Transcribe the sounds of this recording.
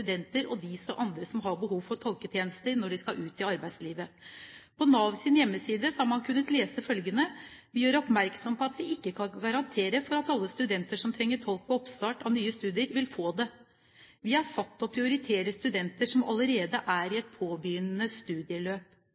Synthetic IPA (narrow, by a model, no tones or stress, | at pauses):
ʉd̪ɛnt̪əɾɔd̪ɪsɔʔɑnd̪ɾəsɔmɦɑɾbəɦuːʋfɔɾt̪ʰɔlkət̪ʰjeːnəst̪əɾnɔɖɪskɑʔʉːt̪ɪɑɾbæɪd̪sliːʋəpʰɔnɑːʋsɪnjɛmːəsiːd̪əsɔhɑɾmɑnkʰʉnːət̪leːsəfœlɡənəʋɪjøːɾɔpmæɾksɔmpʰɔɑt̪ʋɪʔɪkːəkʰɑnɡɑɾɑnt̪ʰeːɾəfɔɾɑt̪ɑlːəst̪ʉd̪ɛnt̪əʂɔmt̪ʰɾɛŋːəʈʰɔlk̚pʰɔɔpst̪ɑːʈɑʋnyːəst̪ʉːd̪ɪəɾʋɪlfoːd̪ɛ | ʋɪhɑɾsɑt̪ːɔpʰɾɪʊɾɪt̪ʰeːɾəst̪ʉd̪ɛnt̪əʂɔmɑ̰ləɾeːd̪əʔæɾɪɛt̪̚pʰoːbʏjʏnənəst̪ʉːd̪ɪəløːp